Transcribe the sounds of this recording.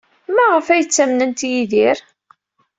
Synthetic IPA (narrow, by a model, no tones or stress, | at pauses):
mæʁəfæjət͡sːæmnənt̪jiðiɾ